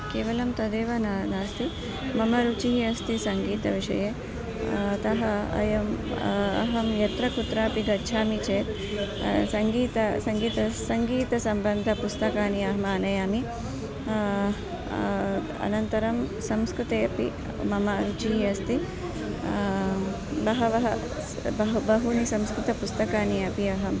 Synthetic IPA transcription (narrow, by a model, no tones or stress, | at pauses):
keːʋɐlɐmt̪ɐd̪eːʋɐnanaːst̪i | mɐmɐɾut͡ʃiɦiɐst̪isɐŋɡiːt̪ɐʋiʂɐ̰je | t̪ɐɦɐɐ̰jɐmɐ̰ɦɐmjɐt̪ɾɐkut̪ɾaːpiɡɐt͡ʃʰaːmit͡ʃeːt̪ | sɐŋɡiːt̪ɐsɐŋɡiːt̪ɐsɐŋɡiːt̪ɐsɐmbɐnd̪ʱɐpust̪ɐkaːniɐɦmaːnɐjaːmi | ɐ̰nɐnt̪ɐɾɐmsɐmskɾut̪eːɐpḭ | mɐmɐɾut͡ʃiːɐst̪i | bɐɦɐʋɐɦɐ | bɐɦbɐɦunisɐmskɾut̪ɐpust̪ɐkaːniɐpiɐɦɐm